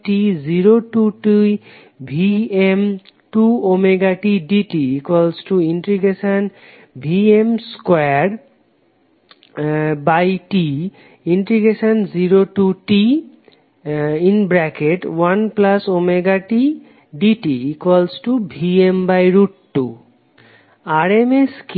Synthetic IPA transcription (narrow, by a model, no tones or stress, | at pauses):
ʈiziɾoʈuʈi | bʱiem | ʈuomeɡaʈiɖiʈiikwɔlsʈuiɳʈɾiɡeʃan | bʱiemskɛaɾ | bajʈi | iɳʈɾiɡeʃanziɾoʈuʈi | inbɾɛkeʈwanplasomeɡaʈi | ɖiʈiikɔlsʈubʱiembajɾuʈʈu | aɾemesk